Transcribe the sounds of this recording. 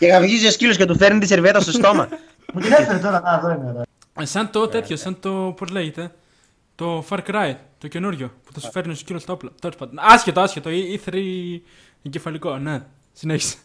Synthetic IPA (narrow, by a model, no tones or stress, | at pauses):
ceɣɐvʝiziosciloscet̪̬ufeɾnit̪iseɾviet̪ɐst̪ost̪o̞mɐ̰ | put̪inefeɾet̪oɾɐɐðoineðo | sɐnt̪o̞t̪et̪çosɐnt̪o̞pozleʝet̪e̞ | t̪o̞fɐɾkɾɐjt̪t̪oce̞nuɾʝopuθɐsu̥feɾinoscilost̪oplɐt̪olospɐt̪onɐscet̪oɐscet̪oiiθɾi | eɟefɐliko̞ne | sineçi̥se̥